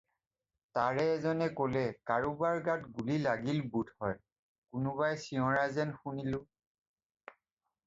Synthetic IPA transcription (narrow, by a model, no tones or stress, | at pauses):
taɹɛːzɔnɛkolɛkaɹubaɹɡatɡulilaɡilbudhɔj | kʊnʊβajsiɔ̃ɹazɛnxunilʊ̃